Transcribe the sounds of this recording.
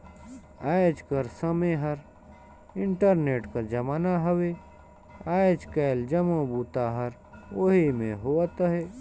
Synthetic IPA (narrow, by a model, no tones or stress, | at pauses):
aːjd͡ʒkəɾsəmeɦɐɾ | ɪ̃ɳʈəɾneːʈkɐd͡ʒɐmaːnaɦɐwe | aːd͡ʒkeːld͡ʒɐmõbuːt̪aɦəɾ | oɦimẽɦoːət̪əɦeː